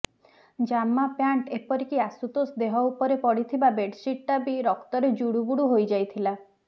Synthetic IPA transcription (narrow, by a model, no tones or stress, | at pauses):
d͡ʒamːapjaɳʈepɔɾikiasut̪osd̪eɦɔupɔɾepɔɽit̪ʰibabeɖsiʈːabiɾɔkt̪ɔɾed͡ʒuɽuɡuɽuɦojd͡ʒajt̪ʰila